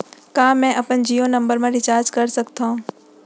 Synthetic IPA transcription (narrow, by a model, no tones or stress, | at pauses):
kãːmɛ̃ʔɐpənd͡ʒiːonɐ̃mbəɾmãɾɪt͡ʃaːɾd͡ʒkɐɾsɐkt̪ʰã